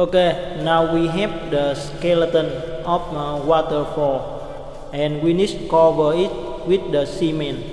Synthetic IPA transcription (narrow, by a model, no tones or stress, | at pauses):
okenawwiɦɛvdəskɛlət̪ə̃nɔfwɔt̪əɹfɔl | ʔɛ̃nwinistukɔvəit̪̚ | wit̪̚dəsimɛ̃n